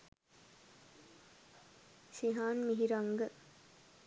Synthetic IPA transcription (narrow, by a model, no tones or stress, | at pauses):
ʃiɦaːnmiɦiɾɐŋɡə